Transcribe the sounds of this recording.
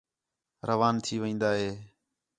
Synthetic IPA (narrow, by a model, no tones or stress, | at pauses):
ɾʔəʋaːnt̪ʰiːʋẽːnd̪aːɦeː